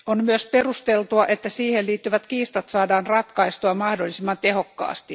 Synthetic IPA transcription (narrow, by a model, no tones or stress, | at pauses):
onmyøsperust̪elt̪uɑʔet̪ːæsiːhelliːt̪ːyʋæt̪kiːst̪ɑt̪sɑːdɑːnrɑt̪kɑist̪uɑmɑhdolːˑisimːɑnt̪ehokːɑ̰ːst̪i